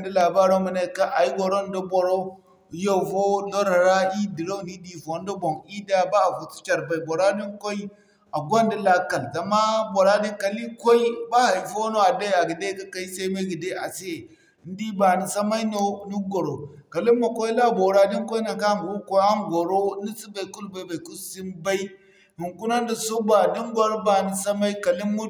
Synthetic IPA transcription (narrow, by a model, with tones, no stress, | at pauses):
n˦di˦la˨ba˦ɾo˦mi˨na˦˨ka˦ʔa˨ji˦ɡo˨ɾo˦n˦do˦bo˨ɾo˦ | jo˦fo˦lo˦ɾa˨ɾa˦i˦di˨ɾo˦˨ni˦di˨fo˨˦n˦do˦bo˨ŋi˦da˦ba˦a˨fu˨tu̥˦t͡ʃa˨ɾba˨i˨bo˨ɾa˦di˦ŋko˦i˦ | a˨ɡʷa˦ndi˦la˦ka˨lza˨ma˦bo˨ɾa˦di˦ŋka˨li˦ko˦i˦ba˦˨i˨fo˦no˦a˨da˦ja˨ɡi˨de˦ka˦ka˦i˦sa˦i˦me˦ɡi˨de˦a˨se˦e˨˦ | n˦di˦ba˨ni˨sa˦ma˦i˦no˦nu˦ɡo˨ɾo˨ | ka˨li˦mːo˨kʷo˦i˦la˦˨bo˨ɾa˦di˦ŋko˦i˦na˨ka˦˨wu˦ko˦a˦ŋɡo˨ɾo˦ni˦si˦ba˨i˨ku˦lba˨i˨˦ba˨ku˦si˦nba˦i˦ | hi˨ŋku˦na˦ndi˨so˦ba˨di˦nɡʷa˦ɾba˨ni˨sa˦ma˦i˦ka˨li˦mːu˦